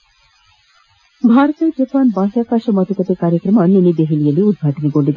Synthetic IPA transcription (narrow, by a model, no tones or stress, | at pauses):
bʱaɾot̪ed͡ʑepanbaɦakaʃomɔt̪okot̪ekaɾjekɾɔmɔnenid̪eɦilijeliud̪̚ɡʱaʈoniɡolid̪